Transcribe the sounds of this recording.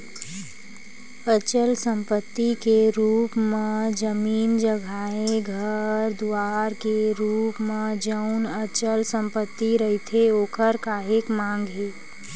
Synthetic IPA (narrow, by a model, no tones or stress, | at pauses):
ət͡ʃəlsə̃mpət̪ːikeɾuːpmed͡ʒəmiːnd͡ʒəɡʱaːẽɡʱəɾd̪uaːɾkeɾuːpmed͡ʒəʊnət͡ʃəlsə̃mpət̪ːiɾəɦit̪ʰeoːkʰəɾkaːɦekmãːŋɡɦeː